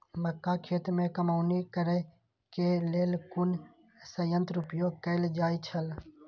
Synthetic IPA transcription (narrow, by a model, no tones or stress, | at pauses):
məkːakʰeːt̪mẽkəmaːʊnikəɾə | keleːlkʊn | səjə̃nt̪ɾʊpjoɡ̚kəɪld͡ʒaːit͡ʃʰəl